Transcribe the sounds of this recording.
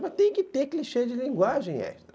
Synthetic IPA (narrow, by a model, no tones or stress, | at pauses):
mɐt̪ẽj̃kɪt̪ekliʃed͡ʒɪlĩŋɡwaʒẽj̃ɛ̰ʃt̪ɾ